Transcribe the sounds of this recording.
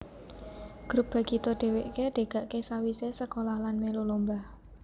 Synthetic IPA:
ɡ̥ɾup̚b̥a̤ɡ̥i̤t̪oɖ̥e̤weʔkeɖ̥e̤ɡ̥a̤ʔkesawisesəkolahlanmelulombah

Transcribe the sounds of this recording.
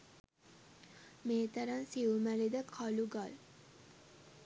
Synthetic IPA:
meːt̪əɾansiumæled̪əkʰaluɡal

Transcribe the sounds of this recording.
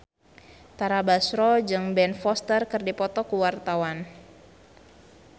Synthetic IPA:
t̪aɾabasɾɔd͡ʒɨŋbɛnfɔst̪ərkɨrdipɔt̪ɔkuwart̪awan

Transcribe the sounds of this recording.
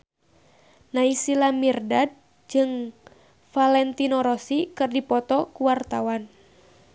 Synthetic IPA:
naisilamirdad̚ | d͡ʒɨŋ | falɛnt̪inɔɾɔsikɨrdipɔt̪ɔkuwart̪awan

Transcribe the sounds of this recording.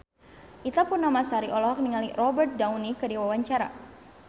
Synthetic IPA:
ʔit̪apʊrnamasaɾiʔɔlɔɦɔk̚niŋalirɔbərt̪̚dawnikədiwawaɲt͡ʃaɾa̰

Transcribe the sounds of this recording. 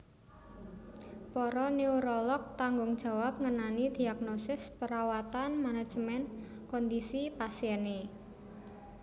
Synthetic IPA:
pɔɾɔneuɾɔlɔk̚t̪aŋɡʊŋd̥ʒ̥a̤wap̚ŋənanid̪̥iaɡnɔsɪspəɾawat̪anmanad̥ʒ̥mɛn | kɔnd̪isipasiɛne

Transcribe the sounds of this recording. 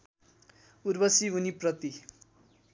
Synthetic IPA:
urbʌsiɦuniprʌt̪i

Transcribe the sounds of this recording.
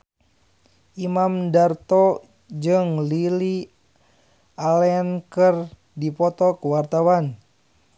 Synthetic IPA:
ʔimamdart̪ɔ | d͡ʒɨŋlili | alɛankər | dipɔt̪ɔkuwart̪awan

